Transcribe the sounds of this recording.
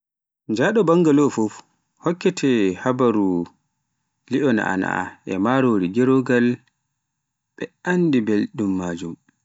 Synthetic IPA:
ɲd͡ʒaɗɔbaŋɡalɔfɔf | hɔkːɛtʰɛhabaɾu | liʔɔna̰ʔa̰na̰ʔa̰ʔɛ̰maɾoːɾiɡɛɾoɡal | ɓɛandibelɗumːaːd͡ʒum

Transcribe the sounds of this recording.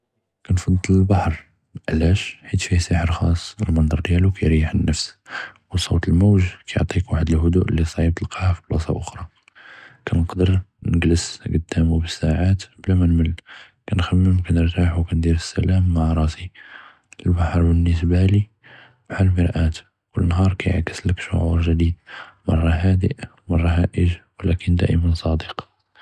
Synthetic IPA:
kænfɑd̪əlbɑħɾˤ | ʕlæʃħit̪fisəħəɾˤxɑsˤːəlmənd̪ˤɑɾd̪jælukæjɾijəħənːəfswsˤowt̪əlmuwʒkæjo̰ʕt̪ˤikwaħəd̪əlhʊd̪uʔəlːisˤʕib̚t̪əlqɑʕafi̥blɑsɑ̰ʔʊxɾˤɑ | kænəqd̪əɾnəɡləsɡəd̪ːæmubəsːaʕat̪blæmænməl | kænxæmːəmkænəɾt̪aħwkænd̪iɾəsːæ̰læmːaʕɾˤɑsi | ʔəlbaħəɾˤbənːəsbæli | mʕalməɾʔæt̪ | wələnɦɑɾˤkæjə̰ʕkə̥sləkʃʊ̰ʕuɾʒəd̪id̪mɑrˤːɑhæd̪ḭʔ | mɑrˤːɑɦæʔəʒwəlækənd̪æ̰ʔəmænsˤɑd̪iq

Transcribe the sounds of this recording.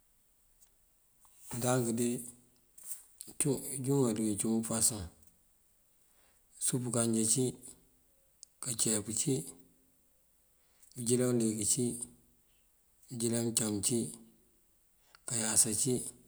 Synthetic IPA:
daŋɡidi | d͡ʒuŋɡadiɡit͡ʃupasuŋ | supukand͡ʒat͡ʃi | kat͡ʃɛput͡ʃi | id͡ʒilalekit͡ʃi | id͡ʒilat͡ʃamt͡ʃi | kajasat͡ʃi

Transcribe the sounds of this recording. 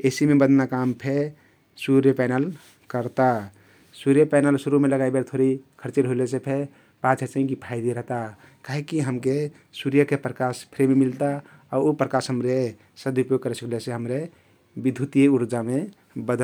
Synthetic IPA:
esimebəd̪ʱnakampʰe | suɾjəpanəl | kəɾt̪a | suɾjəpajnəlsuɾumeləɡaibeɾt̪ʰoɾikʰəɾt͡ʃeɾɦolesepʰe | pat͡ʃʰet͡ʃaɦĩkipʰajd̪iɾəɦt̪a | kaɦekːiɦəmke | suɾjəkepɾəkaspʰɾemmilt̪a | ɔopɾəkasɦəmɾe | səd̪upjoɡ̚kəɾesəkleseɦəmɾe | bid̪ʱut̪ijeuɾd͡ʒame | bəd̪ʱ

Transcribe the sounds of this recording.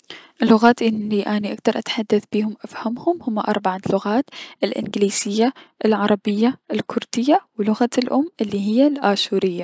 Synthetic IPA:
ʔɪlːʊɣaːt̪ʔɪnːiʔaːniʔak̚d̪ɑɾˤʔat̪ħad̪ːaθbiːhʊmʔafhamhʊmhʊmːaʔɑ̰ɾˤbaʕalʊɣaːt̪ʔɪlʔɪ̰nɡɪliːz̥ɪjːaʔɪlʕɑɾˤɑbɪjːaʔɪlkʰʊɾˤd̪̥ɪjːawlʊɣalʔʊmːʔɪlːiɦɪjːalʔaːʃuːɾɪjːa

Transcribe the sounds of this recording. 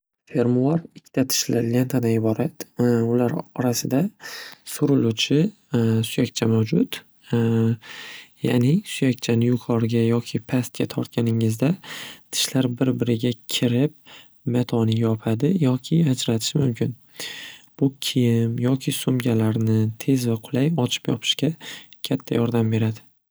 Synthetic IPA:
fe̞ɾmʊaɾɪkʲʰːt̪ʰat̪ʰɪ̥ʃlaɾle̞nt̪ʰad̪anɪbɒɾat̪ʊlaɾɒɾasɪd̪asʊɾɪlut͡ʃʰɪ | sʊjakʲt͡ʃʰamawd͡ʒʊt̪ | ja̰nɪsʊjakʲt͡ʃʰanɪjʊqʰɒɾɡʲajɒkʲʰɪpʰast̪̚kʲat̪ʰɒɾt̪̚kʲanɪŋɪzd̪at̪ʰɪ̥ʃlaɾbɪɾbɪɾɪɡʲakʲʰɪɾɪp | mat̪ʰɒnɪjɒpʰad̪ɪjɒkʲʰɪad͡ʒɾat̪ʰɪ̥ʃɪmʊmkʲʰɪn | b̥ʊkʲʰijɪmjɒkʲʰɪsʊmɡʲalaɾnɪt̪ʰe̞zvaqʰʊlˠajɒt͡ʃʰɪ̥pjɒ̰pʰɪ̥ʃkʲakʲʰat̪ʰːajɒɾd̪ambe̞ɾad̪ɪ

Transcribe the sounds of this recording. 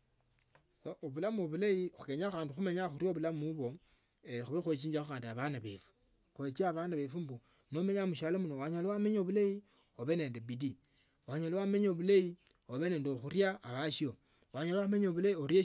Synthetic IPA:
ooβulamuoβulaixukeɲaxaːndixumeɲaxuɾjoβulamuβo̞ | exuixwet͡ʃiːɲd͡ʒaxuxaːndiaβanaβḛfu̥ | xwet͡ʃiaβaːndaβefumbu | nome̞ɲamuʃalomunowaɲalowameɲeoβulai | oβe̞ne̞ːndebidi | waɲalowame̞ɲeoβulei | oβene̞ːndeoxuɾjaːβaʃio | waɲaloameɲeoβulaioɾje

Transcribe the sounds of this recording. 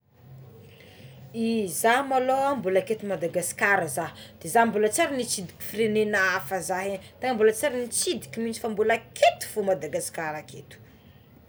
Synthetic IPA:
izamaloambulaket̪imad̪aɡaskaɾəzaɦd̪̥ezambulat͡saɾinit͡sid̪i̥kʲi̥fiɾenenafəzaɦet̪aŋambulat͡saɾinit͡sid̪i̥kʲimint͡si̥fambulakʰet̪u̥fumad̪aɡaskaɾakʰet̪u̥

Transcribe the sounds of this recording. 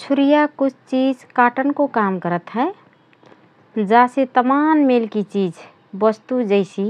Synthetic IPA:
sʰʊɾijakʊt͡ʃʰt͡ʃiːd͡ʒkaːʈənkokamkəɾət̪ɦɛ | d͡ʒaset̪əmaːnmeːlkit͡ʃiːd͡ʒ | bəst̪ud͡ʒəɪsi

